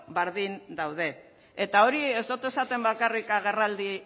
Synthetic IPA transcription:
beɾðind̪awð̞e̞ː | t̪ao̞ɾie̞zt̪ot̪e̞sat̪e̞mbakarikaɣ̞e̞rald̪i

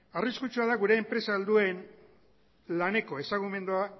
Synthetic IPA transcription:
ariskut͡ʃuaðaɣuɾe̞ːmpɾe̞saːld̪ue̞n | lane̞ko̞e̞saɣume̞nd̪ua

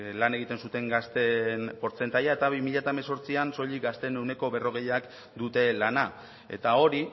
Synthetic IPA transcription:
lane̞ɣ̞it̪e̞nsut̪e̞ŋɡast̪enpo̞ɾt͡se̞nt̪ajae̞t̪aβimiʎat̪aemeso̞ɾt͡sianso̞ʎiɡast̪e̞newne̞ko̞βe̞ro̞ɣ̞e̞jak | d̪ut̪e̞lana | e̞̰t̪ao̞ɾi

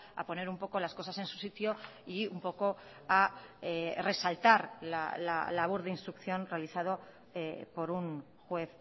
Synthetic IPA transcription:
a̰po̞ne̞ɾumpo̞ko̞lasko̞sase̞nsu̥sit̪joiumpo̞ko̞ | aere̞salt̪aɾla̰la̰laβ̞uɾðeinst̪ɾukθjo̞nre̞aliθað̞o̞ | epo̞ɾun | xwe̞θ

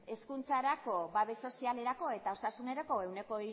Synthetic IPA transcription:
e̞skunt͡saɾako̞βaβe̞so̞siale̞ɾako̞e̞t̪ao̞sasune̞ɾako̞e̞wne̞ko̞i

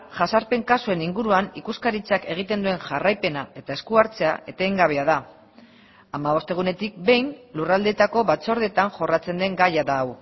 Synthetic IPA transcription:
ʝasaɾpe̞ŋkasue̞niŋɡuɾuanikuskaɾit͡sake̞ɣ̞it̪e̞nd̪ue̞ŋʝarajpe̞nae̞t̪aeskuaɾt͡se̞a̰ʔe̞t̪e̞ːŋɡaβ̞e̞aða | amaβ̞o̞st̪e̞ɣ̞une̞t̪ik̚be̞jnlurald̪e̞t̪ako̞βat͡so̞ɾð̞e̞t̪aŋʝo̞rat͡se̞nd̪e̞ŋɡajaðaːw

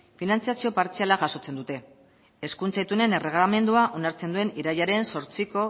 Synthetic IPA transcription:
finant͡siasio̞paɾt͡sialaɣaso̞t͡se̞nd̪ut̪e̞ | eskunt͡sajt̪une̞nere̞ɣlame̞nd̪uaʔo̞naɾt͡se̞nd̪ue̞niɾajaɾe̞nso̞ɾt͡siko̞

